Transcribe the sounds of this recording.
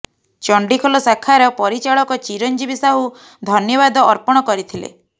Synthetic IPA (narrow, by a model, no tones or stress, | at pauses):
t͡ʃɔɳɖikʰɔlɔsakʰːaɾɔpɔɾit͡ʃaɭɔkɔt͡ʃiɾɔnd͡ʒibisaɦu | d̪ʱɔnjɔβad̪ɔʔːɾpɔɽ̃ɔkɔɾit̪ʰilḛ